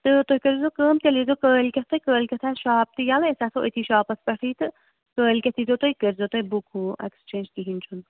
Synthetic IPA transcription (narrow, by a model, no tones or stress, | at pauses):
t̪ɨt̪oɦʲikɐɾzokəːmt̪ʲɐlizokəːlʲkʲɐt̪ʰːokəːlʲkʲɐt̪ʰaːʃaːp̚t̪ɨjalesasʰoʔət̪ʰiʃaːpɐspɐʈʰiːt̪ɨ | kəːlʲkʲɐt̪ʰizot̪oikəɾzot̪oɦbukʰuːɐ̰kst͡ʃeːnd͡ʒt̪iɦint͡ʃʰun